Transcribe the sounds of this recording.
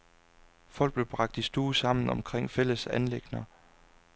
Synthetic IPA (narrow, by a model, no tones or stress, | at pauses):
fɒ̽l̰ɡ̥̚b̥le̝b̥ʁɑ̈ɡ̥̚d̥isd̥uːsɑ̈m̰n̩ɒ̽mkʰʁeŋ̰fel̰əsænleɡ̥nɐ